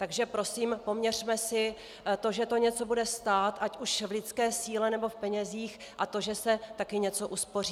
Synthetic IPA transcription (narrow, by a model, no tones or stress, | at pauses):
t̪aɡʒɛpɾo̞siːmpo̞mɲɛr̝̥mɛsɪ | t̪o̞ʒɛt̪o̞ɲɛt͡so̞budɛst̪aːt̪ʔacuʃvlɪt͡skɛːsiːlɛnɛbo̞fpɛɲɛziːx | ʔat̪o̞ʒɛsɛt̪akɪɲɛt͡so̞ʔuspo̞riː